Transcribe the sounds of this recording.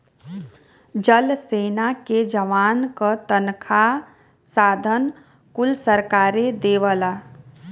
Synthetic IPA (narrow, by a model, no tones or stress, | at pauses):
d͡ʒəlseːnaked͡ʒəʋaːnkət̪ənkʰa | saːd̪ʱən | kʊlsəɾkaːɾed̪eːʋəla